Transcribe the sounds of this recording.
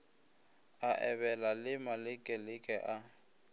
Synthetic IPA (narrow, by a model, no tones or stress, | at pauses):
aʔɛβɛlalɪmalɪkʼɛlɪkʼɛʔa